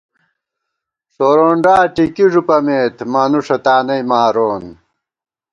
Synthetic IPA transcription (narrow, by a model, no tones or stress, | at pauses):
soːɾoːɳɖaːʈikiʐupɐmeːt̪mɐnuʂɐt̪aːnɐjmaːɾoːn